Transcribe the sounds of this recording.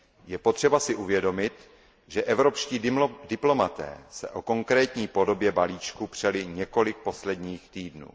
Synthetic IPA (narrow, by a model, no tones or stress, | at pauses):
jɛpot̪r̝̥ɛbasɪʔuvjɛdo̞mɪt̪ | ʒɛʔɛvɾo̞pʃciːdɪplo̞mat̪ɛ̰ːsɛ̰ʔo̞ko̞ŋkɾɛːt̪ɲiːpo̞do̞bjɛbaliːt͡ʃkupr̝̥ɛlɪɲɛko̞lɪk̚po̞slɛdɲiːxt̪iːdnṵː